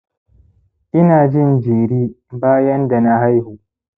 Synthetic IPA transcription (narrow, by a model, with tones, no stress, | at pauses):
ʔɪ˦naː˨d͡ʒɪ˦nd͡ʒiː˨ɽiː˦ | baː˦jɐ˦nda˨na˦ɦa˦jhuː˨